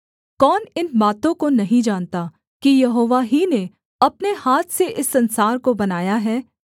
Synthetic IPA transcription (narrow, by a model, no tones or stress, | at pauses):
kɔːnɪnbaːt̪õkonɐɦĩd͡ʒaːnt̪a | kijɐɦoːʋaɦine | ɐpnehaːt̪ʰseʔɪsːɐ̃nsaːɾkobɐnaːjaɦɛː